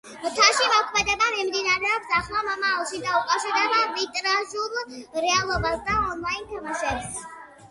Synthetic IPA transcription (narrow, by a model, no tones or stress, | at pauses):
mt̪ʰaʃimɔkʰmɛd̪ɛbamɛmd̪inaɾɛɔpsaχlˠamamaːlˠʃid̪aukʼaʃɛɾd̪ɛbaɾit̪ʼɾazulˠɾɛalˠɔbasd̪aɔnlˠainkʰmʃɛbs